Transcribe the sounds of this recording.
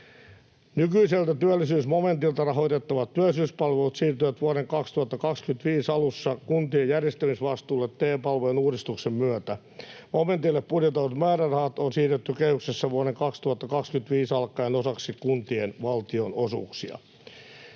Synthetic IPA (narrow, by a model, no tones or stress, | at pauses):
nykyiselt̪æt̪yælːisyːsmome̞nt̪ilt̪ɑrɑɦo̞it̪et̪ːɑʋɑt̪tːyælːˑisyːspɑlʋelut̪siːrt̪yʋæt̪ʋuoɾeŋkɑkst̪uhɑt̪ːɑkɑkskynt̪ʋiːsɑlusːɑkunt̪iejærjest̪æmisʋɑst̪uːlːet̪teːpɑlʋoenuːɾist̪uksemmyæt̪æ | moment̪ilːeppudjet̪ːɑʋɑt̪mæːɾærɑhɑt̪onsiːrt̪et̪ːykehyksesːæʋuoɾeŋkɑkst̪uɑt̪ːɑkɑkskynt̪ʋiːsɑlkːˑɑenosɑksikkunt̪ienʋɑlt̪ionosṵːksiɑ̰